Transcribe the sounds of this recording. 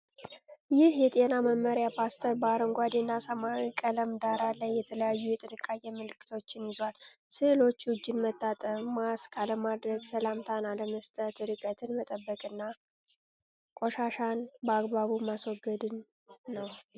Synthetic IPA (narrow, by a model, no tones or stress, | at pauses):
jɪhjɛt̪ʼe̞naməmːəɾjapʰast̪ʰəɾbaɾəŋɡʷad̪enːasamakʼələmd̪aɾalajːɛt̪ʰələjajːujɛt̪ʼɨnɨkʼːajːɛmɨlɨkːɨ̥t̪ʰo̞t͡ʃːɪnjɪzwalsɨlo̞t͡ʃːwʊd͡ʒːɪnmət̪ːat̪ʼəmaskʰaləmad̪ɾəɡsəlamt̪ʰanaləməst̪ʼət̪ɨɾɨkʼət̪ʰɨnmət̪ʼəbːəkʼɨnːa | kʷʼoʃaʃanbəaɡβaβumaswɔɡːəd̪ɨnː | əw